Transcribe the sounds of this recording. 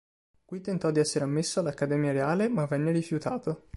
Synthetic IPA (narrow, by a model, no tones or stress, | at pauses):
kwit̪ːent̪ɔd̪iɛsːeɾeamːesːoalːakːad̪ɛːmjaɾeaːlemavːɛnːeɾifjut̪aːt̪o